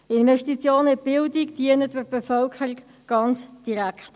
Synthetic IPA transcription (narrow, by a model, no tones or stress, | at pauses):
ɪnvɛʃtit͡sjoːnəb̥ɪldikd̥iənətbəb̥ɛfœlkʰəɾik | ɡ̥ɑnt͡sd̥iɾækt